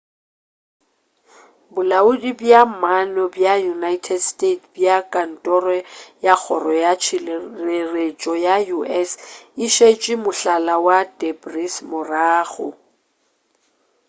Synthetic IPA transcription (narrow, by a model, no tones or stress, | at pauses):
bʊlaʊdibjamanɔbjajunaitʰɛdstʼetʰbjakʼan̩tʼɔrɔjak͡xʰɔrɔjat͡ʃʰɪeret͡ʃʼɔjajuʔɛsɪʃet͡ʃʼɪmʊɬalawadebrismʊraːɣɔ